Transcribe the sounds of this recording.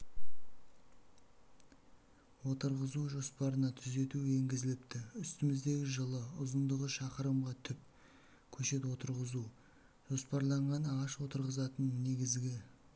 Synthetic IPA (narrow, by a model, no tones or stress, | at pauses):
wo̞t̪əɾʁəzuʒo̞spɑɾənɑt̪ʰʏze̞t̪ue̞ŋɡʲɪzɪlɪpt̪ɪʏst̪ɪmɪzd̪e̞ɡʲɪʒəlˠəʊzənd̪əʁəʃɑqəɾəmʁɑt̪ʰʏp̚ | kʲʰɵʃe̞t̪wo̞t̪əɾʁəzu | ʒ̥o̞spɑɾlˠɑɴʁɑnɑʁɑʃwo̞t̪əɾʁəzɑt̪ənne̞ɡʲɪzɡʲɪ